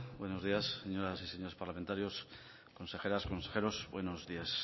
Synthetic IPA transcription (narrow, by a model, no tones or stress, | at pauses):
bwenozðiasːeɲoɾasiseɲo̞ɾespaɾlament̪aɾjos | ko̞nse̞xeɾasko̞nsexeɾo̞zbwe̞nozðias